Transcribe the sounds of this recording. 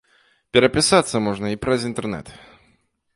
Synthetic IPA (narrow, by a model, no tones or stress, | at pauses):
pʲɛɾɐpʲɪsat̪sːɐmɔʐnɐipɾɐzint̪ɛrnɛ̰t̪